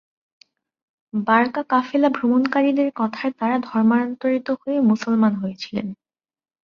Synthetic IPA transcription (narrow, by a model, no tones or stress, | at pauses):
baɾkakafelabʱɾomonkaɾid̪eɾkɔt̪ʰaet̪aɾad̪ʱɔɾmaɾɔnt̪oɾit̪ohoemusolmanɦojet͡ɕʰilḛn